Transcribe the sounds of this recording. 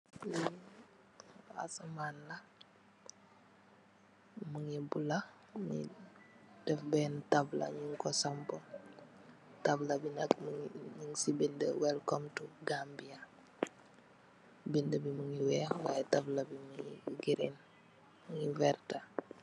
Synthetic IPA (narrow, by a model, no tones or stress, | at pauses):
li | a̰samaːnlɐ | muŋibula | ɲḭ | d̥ɛfbɛntablɐ̰ɲuŋkɔsampɔ | tablɐbinɐkmuɲuŋsibendə̰wɛlkɔmtuɡaːmbija | bindəbimuŋiwɛːwa̰jɛtablɐbimuŋiɡiɾḭn | muŋivɛːrta